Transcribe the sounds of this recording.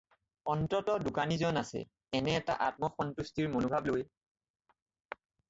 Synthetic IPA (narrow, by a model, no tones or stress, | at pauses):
ɔntɔtɔdukanizɔnasɛ̰ | ɛnɛːta̰ʔat̚mɔxɔntustiɹmonʊbʱabloj